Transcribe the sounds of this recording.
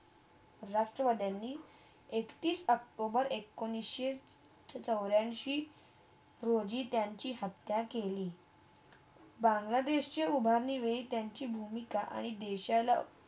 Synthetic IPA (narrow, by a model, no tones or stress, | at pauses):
ɾaʂʈɾəʋəd̪janːiː | ekʈ̪iːsək̚ʈobəɾekːoniɕe | t͡səwɾjanɕiː | ɾod͡ʑiːt̪jaɲt͡ɕiːɦət̪jakeliː | baŋɡlad̪eɕt͡ɕeubʱaɾniːʋeiːt̪jaɲt͡ɕiːbʱumikaʔa̰ɽ̃id̪eɕala